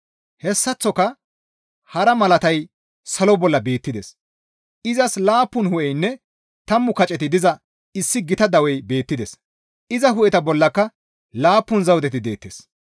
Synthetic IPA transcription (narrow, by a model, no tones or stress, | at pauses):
hɛsːɐt͡sːɔkɐ | hɐɾɐmɐlɐt̪ɐj | sɐlɔbɔlːɐbe̞ːt̪ːɪd̪ɛs | ɪzɐslaːpːʊnhʊʔɛjnːɛ | t̪ɐmːʊkɐt͡ʃʼɛt̪ɪd̪ɪzɐ | ɪsːɪɡɪt̪ɐd̪ɐwɛjbe̞ːt̪ːɪd̪ɛs | ʔɪzɐɦʊʔɛt̪ɐbɔlːɐkːɐ | laːpːʊnzɐwt̪ɛt̪ɪd̪e̞ːt̪ːes